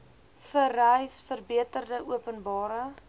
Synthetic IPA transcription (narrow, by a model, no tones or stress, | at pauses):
fərɛjsfərbiətərdəʔuəpənbɑːɾə